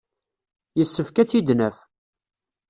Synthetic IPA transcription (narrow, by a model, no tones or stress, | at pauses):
jəsːəfkæt͡sːid̪nəf